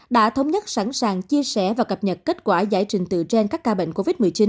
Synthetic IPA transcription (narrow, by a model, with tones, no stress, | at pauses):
ɗa̰ː˧˥t̪ʰə˧wŋ͡mɲə˦˥t̚sa˧˩nsaː˨˩ŋt͡ɕi˧əsɛ˧˩vaː˨˩kə˨˩p̚ɲə˨˩t̚ke˦˥t̚kwaː˧˩za̰ː˧˩jt͡ɕï˨˩ŋ̟t̪ɨ̰˧˨t͡ɕe˧nkaː˦˥kːaː˧ɓḛ˧˨ŋ̟ko˧vi˦˥t̚mɨ˨˩əjt͡ɕi˨˦n